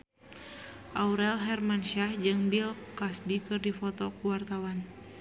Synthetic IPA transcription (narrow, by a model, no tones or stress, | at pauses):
ʔauɾɛlɦɛrmanʃahd͡ʒɨŋbilkasbikɨrdifɔt̪ɔkuwart̪awan